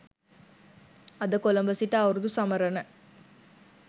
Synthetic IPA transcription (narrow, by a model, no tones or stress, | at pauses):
ɐd̪ɐkɔlɐmbɐsiʈːaːʋɾud̪usɐmɐɾɐnɐ